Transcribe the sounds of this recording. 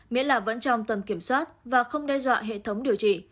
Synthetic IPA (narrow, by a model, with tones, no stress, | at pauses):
mḭ˧˥əlaː˨˩və̰˧˥nt͡ɕɔ˧wŋ͡mt̪ə˨˩mki˧˩əmswaː˦˥t̚vaː˨˩xə˧wŋ͡mɗɛ˧zwa̰ː˧˨ɦḛ˧˨t̪ʰə˨˦wŋ͡mɗi˨˩əwt͡ɕḭ˧˨